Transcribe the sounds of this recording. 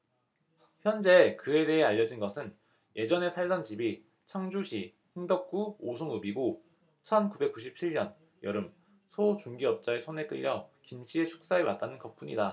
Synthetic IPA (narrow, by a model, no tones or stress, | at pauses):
çjʌnd͡ʑe̞kɯe̞de̞ɦe̞aʎːʌd͡ʑinɡʌsʰɯn | jʔe̞d͡ʑʌne̞sʰaɭsʌnt͡ɕibi | t͡ɕʰaŋd͡ʑuɕʰi | hiŋdʌk̚k͈uosʰoŋɯbiɡo | t͡ɕʰʌnkube̞k͈uɕʰip̚t͡ɕʰiɭɲʌn | jʌɾɯm | sʰot͡ɕuŋɡiʌp̚t͡ɕ͈aesʰone̞t͈ɯʎːʌkimɕʰie̞t͡ɕʰu̥k̚s͈aewat͈̚anɯnkʌp̚p͈uɲida